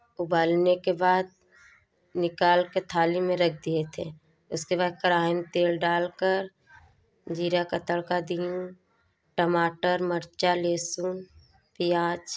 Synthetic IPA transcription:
ʊbaːlnekebaːd̪̚ | nɪkaːlket̪ʰaːlimẽɾɐk̚ʰd̪iet̪ʰḛ | ʊskebaːd̪̚kəɾaːɦɪnt̪eːlɖaːlkəɾ | d͡ʒiːɾakat̪əɽkad̪ijũ | ʈəmaːʈəɾməɾt͡ʃaleːsuːn | pijaːt͡ʃ

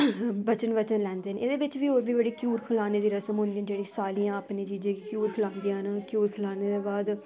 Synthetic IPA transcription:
bət͡ʃənbət͡ʃənlɛ̃ːnd̪eːɦəned̪eːbɪt͡ʃʋiːoːɾʋiːbəɽiːkjuːɾkʰəlaːneːd̪iːɾəsəmɦʊ̃nd̪ĩːãːd͡ʒeːɽĩːsaːlĩjãːəpneːt͡ʃiːd͡ʒẽːkikjuːɾkʰəlãːnd̪ijãːnakjuːɾkʰəlaːneːd̪eːbaːd̪

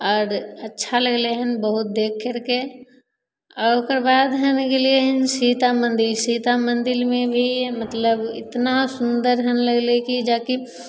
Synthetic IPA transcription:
ɔːɾətːʃʰaləɡleɦənbəɦʊt̪̚d̪eːkʰːəɾke | ɔːɾokəɾbaːd̪ɦənɡelieɦənsiːt̪amə̃nd̪ɪlsit̪amə̃nd̪ɪlmẽbʱimət̪ləbɪ̰t̪nasʊnd̪əɾɦənləɡlekid͡ʒaːki

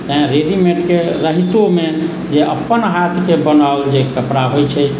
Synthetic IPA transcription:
t̪əẽɾeɖimeʈkeɾəɦit̪ome | d͡ʒeə̰pːənɦat̪ʰkebənald͡ʒekəpɽaɦojt͡ʃʰɛ

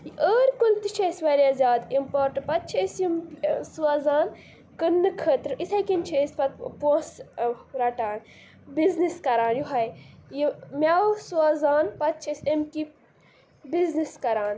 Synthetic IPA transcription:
jiʔəːɾkult̪it͡ʃʰeːsʲʋɐɾiazʲaːd̪impoːɾʈɐnpɐt̪̚t͡ʃʰesjimsuaːzaːn | kɨnːɨkʰəːt̪ɾɨisɐkint͡ʃʰeːspɐt̪̚põːsɾɐʈaːn | bizniskɐɾãːnjuɦɐjjimʲasuaːzaːnpɐt̪̚t͡ʃʰesʲemki | bizniskɐɾaːn

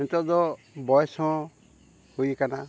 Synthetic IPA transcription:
int̪ɔd̪ɔ | bɔjɔsɔ̃ | hujkana

